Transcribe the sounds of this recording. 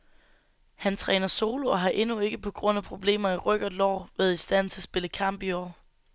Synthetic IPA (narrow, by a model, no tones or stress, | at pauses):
hænt͡sʰʁɛ̰ːnɐso̝ːlo̝ɒ̽ɦɑ̈ʔe̝nue̝ɡ̥əpʰɒ̽ɡ̥ʁɔ̽n̰æpʰʁo̝b̥le̝̰ːmɐiʁœɡ̥ɐlɒ̰ːʋeð̩ˠisd̥æn̰t͡sʰe̝ɐsb̥e̝ləkʰɑ̈m̰b̥iɒ̰ː